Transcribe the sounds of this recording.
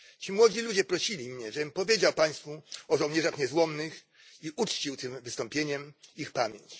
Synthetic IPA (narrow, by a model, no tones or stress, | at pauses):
t͡ɕimwɔd͡ʑilud͡ʑɛpɾɔɕilʲimɲɛʐɛpɔvʲjed͡ʑawpaj̃st̪fuɔʐɔwɲɛʐaxɲɛzwɔnnɘx | iʔut͡ʂt͡ɕiwt̪ɘmvɘst̪ɔmpʲjeɲɛmixpamʲjeɲt͡ɕ